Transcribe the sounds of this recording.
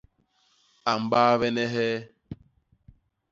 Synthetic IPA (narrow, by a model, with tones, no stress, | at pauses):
a˨m̩˨baː˦ve˦ne˦ɦe˦